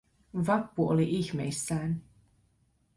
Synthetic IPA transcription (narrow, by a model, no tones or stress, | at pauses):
ʋɑpːuo̰liʔiçmḛjsːæːn